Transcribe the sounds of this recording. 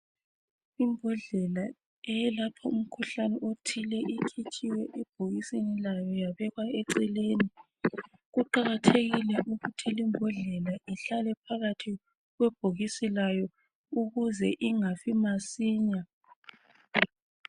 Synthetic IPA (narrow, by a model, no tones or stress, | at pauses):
imbʱɔɮɛla | ɛjɛlapʰɔum̩kʰuɬanɛʔotʰilɛʔikʰit͡ʃʼiwɛʔɛb̥ʱoɣisinilajɔjaβɛɣwaeǀileːni | ɣuǃaɣatʰeɣilɛʔuɣutʰilimbʱɔɮɛlaʔiɬalɛpʰaɣatʰi | ɣwɛb̥ʱoɣisilajɔ | uɣuzɛʔiŋafimasiːɲa